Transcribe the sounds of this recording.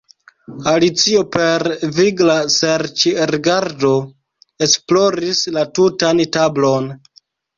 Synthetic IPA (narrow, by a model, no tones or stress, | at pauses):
alit͡sio̞peɾviɡlaseɾt͡ʃiɾiɡaɾdo̞ | e̞splo̞ɾislatutantablo̞n